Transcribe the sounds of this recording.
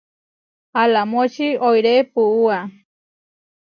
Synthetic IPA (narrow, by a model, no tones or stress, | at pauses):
alamot͡ʃiojɾepuua